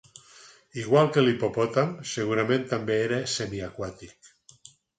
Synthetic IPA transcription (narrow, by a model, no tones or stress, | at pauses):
iɣ̞walˠkelipopot̪amseɣ̞uɾamẽnt̪ambeeɾesemiakwat̪ik